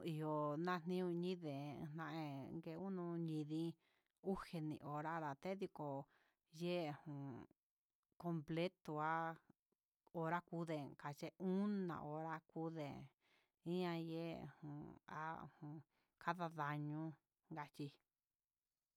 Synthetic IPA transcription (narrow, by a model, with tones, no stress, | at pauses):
i˨jo˨nã˦˧n̥nĩ˦ũ˧ɲĩ˦ðḛ̃˨˧n̥ã˧ʔẽ˧ŋɡe˧u˦nũ˧ɲĩ˧ðĩ˦ | u˦he˧nḭ̃˧ʔo˨ɾa˦ða˨t̪e˦ði˧ko˨ | je˦˨hũ˨ | ko˧mple˦t̪o˨a˦ | o˧ɾa˦ku˧˦ðe˨ka˨t͡ʃe˧ũ˦nã̰˧˨ʔo˧ɾa˦ku˦ðe˨ | ĩ˦ã˧jḛ˦˨hũ˨a̰˦˧hũ˨ | kʰa˦ða˧ða˧ɲũ˦ | ŋɡa˧t͡ʃi˧